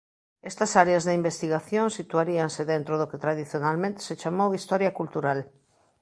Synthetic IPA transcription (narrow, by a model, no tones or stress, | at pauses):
est̪asaɾeazðeimbest̪iɣaθjõnsit̪uaɾianseðẽnt̪ɾoð̞oket̪ɾað̞iθjonalmẽnt̪e̥set͡ʃamowist̪oɾjakult̪uɾal